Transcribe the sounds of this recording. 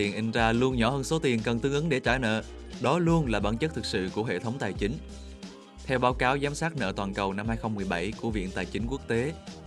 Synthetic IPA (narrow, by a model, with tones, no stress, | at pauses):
i˨˩ənʔi˧ŋ̟zaː˧lu˧ənɲɔ˧˩həː˧nso˨˦t̪i˨˩ənkə˨˩nt̪ɨ˨˦əŋʔɨ˨˦ŋɗe˧˩t͡ɕa̰ː˧˩jnə̰ː˧˨ | ɗɔ˨˦lu˧ənlaː˨˩ɓaː˧˩nt͡ɕə˦˥t̚t̪ɨ˨˩k̚sɨ̰˧˨ku˧˩əɦḛ˧˨t̪ʰə˨˦wŋ͡mt̪aː˨˩jt͡ɕï˨˦ŋ̟ | t̪ʰɛ˧wɓaː˨˦wkaː˨˦wzaː˨˦msaː˦˥t̚nə̰ː˧˨t̪waː˨˩nkə˨˩wna˧mhaː˧jxə˧wŋ͡mmɨ˨˩əjɓə˧˩jku˧˩əvḭ˧˨nt̪aː˨˩jt͡ɕï˨˦ŋ̟ku˦˥ək̚t̪e˨˦